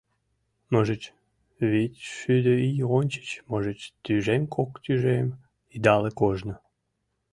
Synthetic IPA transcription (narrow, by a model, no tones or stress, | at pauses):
məʒət͡ɕ | βitʲʃyd̪əijonʲt͡ɕə̥t͡ɕməʒət͡ɕt̪yʒemkʰokt̪yʒem | id̪ɑlekoʒnə